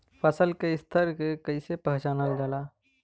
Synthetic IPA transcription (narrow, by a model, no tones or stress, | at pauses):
pʰəsəlkeɪst̪ʰəɾkekəisepəɦt͡ʃaːnəld͡ʒalaː